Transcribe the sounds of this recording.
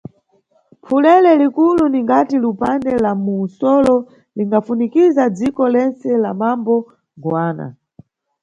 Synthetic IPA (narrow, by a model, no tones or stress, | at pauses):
pʰulɛlɛlikuluniŋɡatilupandɛlamuːsɔlɔ | liŋɡafunikizad͡zikɔlɛnt͡sɛlamambɔ | ɡwaːna̰